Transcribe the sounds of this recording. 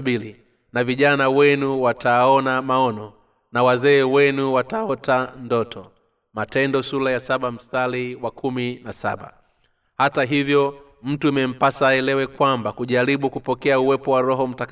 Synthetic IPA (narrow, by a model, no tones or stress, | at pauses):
ɓili | naviʄanawɛnuwatʰaɔnamaɔnɔ | nawazɛːwɛnuwataɔtandɔtʰɔ | matɛndɔsulajasaɓam̩staliwakʰuminasa̰ɓa̰ | hataɦivjɔ | m̩tuimɛm̩pasaɛlɛwɛkwambakuʄaɾiɓukupɔkɛauwɛpɔwaɾɔɦɔm̩tak